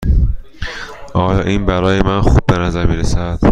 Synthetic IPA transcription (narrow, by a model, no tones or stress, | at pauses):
ʔɒːjɒːʔiːnbæɾɒːjemænxub̚ːe̞næzæɾmiːɾesæd̪̥